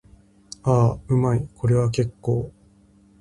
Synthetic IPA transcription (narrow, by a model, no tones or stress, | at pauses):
aːɯ̟maikʰo̞ɾe̞βak̬e̞kːo̞ː